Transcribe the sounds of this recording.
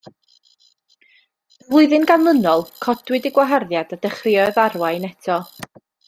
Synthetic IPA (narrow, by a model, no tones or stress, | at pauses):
əvlˠʊɨðɨnɡanmənɔlˠkʰɔdwɪdɪɡwaɦarðjadadɛχrɪɔðarwajnɛtʰɔ